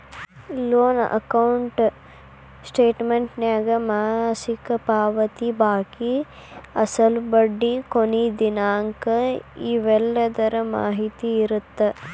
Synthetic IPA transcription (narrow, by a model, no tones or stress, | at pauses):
loːnɐ̰kɐwɳʈ | sʈeːʈmeɳʈnjaːɡɐmaːsikɐpaːʋɐt̪ibaːki | ɐsɐlbɐɖːikonid̪inaːŋkɐiʋɛlːɐd̪ɐɾɐma̰ːɦit̪iːɾut̪ːe